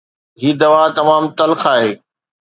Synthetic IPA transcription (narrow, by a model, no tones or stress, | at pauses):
ɦiːd̪ɐʋaːt̪ɐmaːmt̪ɐlxaːɦeː